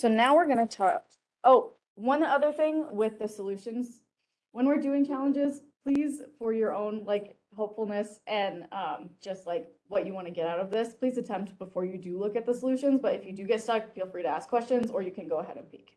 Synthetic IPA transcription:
soʊnaʊwɪɹɡʌnɨtʰɑ̰k | ʔoʊ | wʌ̃nʌðə˞θɪ̃ŋwɪðɨsəlʉʃɨ̃nz̥ | wə̃nwɨɹdʉɪ̃ŋt͡ʃʰælˠə̃nd͡ʒɪz̥pʰl̥iz̥fə˞jə˞õʊ̃nlaɪk | ɦoʊpfl̩ˠnɨsʔɨ̃nʌ̃md͡ʒ̥ʌst̚ˡlaɪk | wʌt͡ʃɨwɑ̃ñɨɡɛɾaʊɾʌvðɪspʰl̥izɨtʰɛ̃mp̚tb̥əfɔɹjɨdɨlʊkɨt̪̚ðəsəlʉʃɨ̃nzbʌɾɨfjɨdɨɡɛtstʌkfilˠfɹiɾɨæskʰw̥ɛst͡ʃɨ̃nzə˞jɨkʰɨ̃nɡoʊəɦɛ̰ɾɨ̰̃npʰḭk

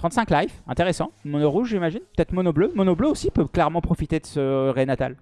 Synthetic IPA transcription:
t̪χɑ̃t̪sɛ̃klajfɛ̃t̪eʁesɑ̃mɔnɔʁuʒʒimaʒinpø̥t̪ɛt̪χmɔnɔblømɔnɔbløosipøklɛʁmɑ̃pχɔfit̪ed̪əsəʁenat̪a̰l

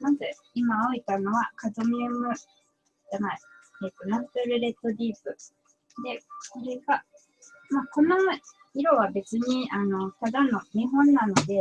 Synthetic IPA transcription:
nãze | imaoit̪ano̞βakazɨmʲɯnɯ | d͡ʒanaieːt̪ːo̞napeɾɯ̟ɾe̞t̪ːo̞dʲiːpɯ | d̪e̞soɾeɡa | mako̞no | iɾo̞βabe̞t͡sɨɲ̟iano̞t̪ad̪ano̞ɲ̟iɦõ̞nːano̞d̪e̞

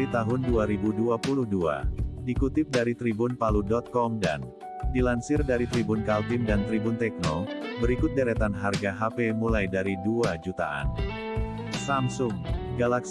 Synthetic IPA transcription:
it̪aɦʊnduaɾibuduapuluhdua̰dikut̪ɪp̚daɾit̪ɾibʊnpaludɔt̪̚kɔmda̰n | dilansɪrdaɾit̪ɾibʊnkalt̪ɪmdant̪ɾibʊnt̪ɛk̚nɔbəɾikʊt̪̚daɾɛt̪anɦarɡaɦapemulajdaɾiduad͡ʒut̪a̰ʔa̰n | samsʊŋɡalaks

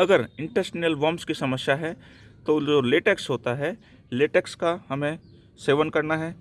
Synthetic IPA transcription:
ɐɡəɾɪ̃ɳʈəsʈniəlʋɔ̃ːmskisɐməsjaɦɛ | t̪od͡ʒoːleːʈeksɦoːt̪aɦɛ | leːʈeːkskahɐmẽ | seːʋənkɐɾnaɦɛː

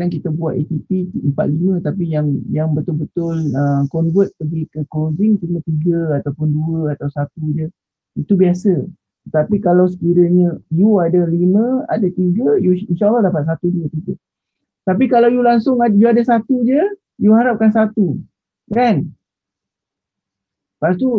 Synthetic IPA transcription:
ankit̪abuwat̪et̪ipiimpa̰t̪̚limə̃t̪apijaŋjaŋbət̪ʊlbət̪ʊləmkɔnvət̪̚pəɡikəklodɪŋt̪imə̃t̪iɡəat̪awpʊnduəat̪awsat̪ud͡ʒə | it̪ubiasə | t̪ət̪apikalaws̬ə̥kiɾəɲə̃juadalimə̃a̰dat̪iɡəjuinʃalːahdapat̪̚sat̪uduət̪iɡə | t̪apikalawjulaŋsʊŋajuadasat̪ud͡ʒə | juɦaɾap̚kansat̪u | kan | past̪u

